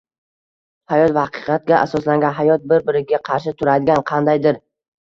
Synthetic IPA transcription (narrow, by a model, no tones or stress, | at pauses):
hajɒt̪vɑqʰɨ̥qʰɑt̪̚ɡʲaʔasɒslaŋɡʲanɦajɒt̪̚bɪɾbɪɾɪɡʲaqʰɑɾʃɪt̪ʰʊɾad̪ɪɡʲanqʰɑnd̪ajd̪ɪɾ